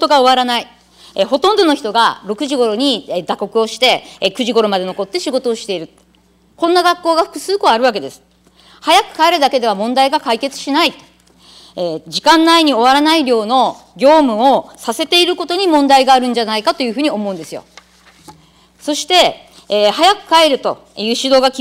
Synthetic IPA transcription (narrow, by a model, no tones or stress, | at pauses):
t̪oɡao̞βaɾanai | eɦo̞t̪õ̞nd̪o̞no̞çi̥t̪o̞ɡaɾo̞kɯ̟ʑiɡo̞ɾo̞ɲ̟id̪ako̞kɯ̟o̞ɕi̥t̪e̞kɯ̟ʑiɡo̞ɾo̞mad̪e̞no̞ko̞t̪ːe̞ɕiɡo̞t̪o̞ːɕi̥t̪e̞iɾɯ̟ | kõ̞nːaɡakːo̞ːɡaɸɯ̥kɯ̟sɨːko̞aɾɯ̟β̞ak̬e̞d̪e̞sɨ̥ | hajakɯ̟̥kaeɾɯ̟d̪ake̞d̪e̞β̞amõ̞nd̪aiɡakaike̞t͡sɨ̥ɕinait̪o | ed͡ʑikãnːaiɲ̟io̞β̞aɾanaiɾʲjo̞ːno̞ | ɡʲo̞ːmɯ̟o̞sase̞t̪e̞iɾɯ̟ko̞t̪o̞ɲ̟imõnd̪aiɡaːɾɯ̟̃ɲ̟d͡ʑanaikat̪o̞jɯ̟ɸɯ̟ːɲ̟io̞mo̞ɯ̟̃nd̪e̞sɨjo̞̰ | so̞ɕi̥t̪e̞ | hajakɯ̟̥kae̞ɾɯ̟t̪o̞̰ | jɯ̟ːɕid̪o̞ːɡakʲ